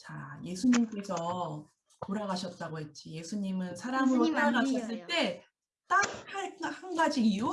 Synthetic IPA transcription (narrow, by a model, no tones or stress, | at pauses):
t͡ɕaje̞sʰuɲimk͈e̞sʰʌ | toɾaɡaɕʰʌt̚t͈aɡoɦe̞t̚t͡ɕ͈ije̞sʰuɲimɯnsʰaɾamɯɾot͈aɡaɕʰʌs͈ɯɭt͈e̞ | t͈akhaɭhanɡad͡ʑiiju